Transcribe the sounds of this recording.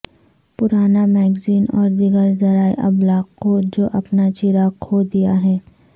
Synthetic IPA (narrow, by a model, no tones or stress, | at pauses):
pʊɾaːnamɛːɡziːnɔːɾd̪ɪɡəɾzɐɾaːeʔɐ̰blaːqkːod͡ʒoːʔɐpnat͡ʃiɾaːkʰoːd̪ijaɦɛː